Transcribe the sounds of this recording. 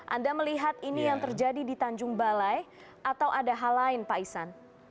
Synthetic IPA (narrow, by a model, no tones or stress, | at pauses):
ʔa̰ndaməliɦat̪̚inijaŋt̪ərd͡ʒadidit̪aɲd͡ʒʊŋbalaj | ʔat̪awʔadaɦalaɪnpaisan